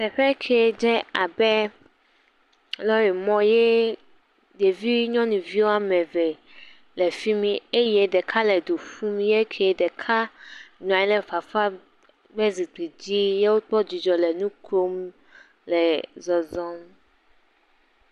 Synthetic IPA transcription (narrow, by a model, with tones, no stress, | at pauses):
sɛ˨ɸɛ˦kʰɛ˨d͡ʒɛ˦a˨bɛ˦ | lɔ˦ɾi˨mɔ̃˦je˦ | de˨vi˦ɲɔ̃˦nũ˨vi˦wo˦a˦mɛ̃˨vɛ˨ | lɛ˨fi˦mĩ˦e˦je˦ɖɛ˨kʰa˦lɛ˨d̪o˨ɸũ˦mĩ˦je˦kʰɛ˨˦ɖɛ˨kʰa˦nũ˨a˨ɛ˦lɛ˨fa˨fa˦ | ɡ͡bɛ˦zi˨k͡pi˨d͡ʑi˦je˦wo˦k͡pɔ˦d͡ʑi˨d͡ʒɔ˨lɛ˨nũ˦kɾo˦m | lɛ˨zɔ˨zɔ̃˦m